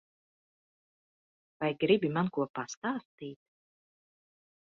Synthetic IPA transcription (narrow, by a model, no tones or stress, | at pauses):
vajɡɾibimankuɔpast̪aːst̪iːt̪̚